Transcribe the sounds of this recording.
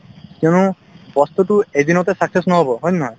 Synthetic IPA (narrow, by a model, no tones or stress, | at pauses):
kjonu | bɔst̪utuezinɔtɛsaksesnɔɦobɔɦɔjnɔɦã